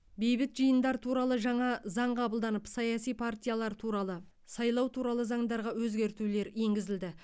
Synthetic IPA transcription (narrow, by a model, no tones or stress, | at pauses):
be̞jbɪt̪ʒijənd̪ɑɾt̪ʰuɾɑlˠəʒɑɴɑzɑɴqʰɑbəlˠd̪ɑnəpsɑjɑsijpʰart̪ʲijalˠɑɾt̪ʰuɾɑlˠə | sɑjlˠɑwt̪ʰuɾɑlˠəzɑɴd̪ɑɾʁɑwɵzɡʲe̞ɾt̪ule̞ɾje̞ŋɡʲɪzɪld̪ɪ